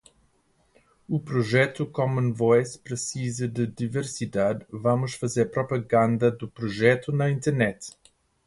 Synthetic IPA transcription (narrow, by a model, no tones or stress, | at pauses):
upɾoʒɛt̪ukɔmɐ̃nvɔjspɾɨsizɐd̪ɨd̪iveɾsid̪ad̪vamʊʃfɐzeɾpɾopɐɡãnd̪ɐd̪ʊpɾoʒɛt̪unɐĩnt̪eɾnɛt̪